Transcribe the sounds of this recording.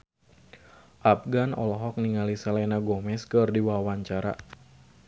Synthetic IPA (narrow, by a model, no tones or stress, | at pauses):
ʔap̚ɡanɔ̰lɔɦɔk̚niŋalisalɛnaɡɔmɛskɨrdiwawaɲt͡ʃaɾa̰